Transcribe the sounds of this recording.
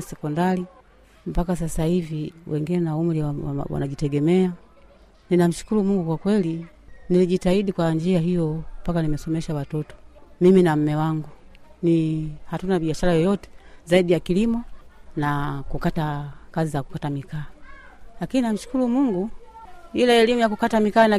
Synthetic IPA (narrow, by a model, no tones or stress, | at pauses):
sɛkɔndali | m̩pakas̬asahiviwʔɛŋɡinɛnaum̩liwawa̰wa̰naʄitɛɡɛmɛa | ninam̩ʃu̥kulumuŋɡukwakwɛli | niliʄitaiɗikwand͡ʒiaɦijɔmpakanimɛsɔmɛʃawatɔtɔ̥miminam̩mɛwaŋɡu | nihatunaɓiaʃaɾajɔjɔtɛ̥zaiɗijakilimɔnakukatakazizaku̥katamikaːlakininam̩ʃu̥kulumuŋɡu | ilaɛlimujakukatamikaːna